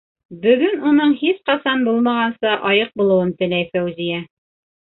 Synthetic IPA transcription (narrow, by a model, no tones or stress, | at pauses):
bɵ̆ɡɵnunɤɴhisqɑsɑnbulˠmɑʁɑnsɤʔɑjɤq̚bulˠɤ̆wɤnt̪ɘ̆læjfæwzijæ